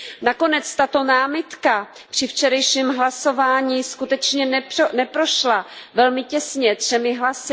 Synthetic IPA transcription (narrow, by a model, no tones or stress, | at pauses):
nako̞nɛt͡st̪at̪o̞naːmɪt̪ka | pr̥ɪft͡ʃɛɾɛjʃiːmɦlaso̞vaːɲiːskut̪ɛt͡ʃɲɛnɛnɛpɾoʃlavɛlmɪcɛsɲɛt̪r̝̥ɛmɪɦlasɪ